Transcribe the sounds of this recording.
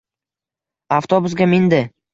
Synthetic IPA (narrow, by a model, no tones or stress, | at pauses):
aft̪obʊsɡʲamɪnd̪ɪ